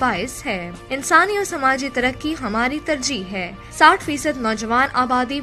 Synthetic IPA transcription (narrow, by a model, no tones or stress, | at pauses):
aːɪsɦɛː | ɪnsaːniɔːɾsɐmaːd͡ʒit̪ɐɾəkːiɦɐmaːɾit̪ɐɾd͡ʒiːɦɦɛː | saːʈʰfiːsəd̪nɔːd͡ʒəʋaːnaːbaːd̪i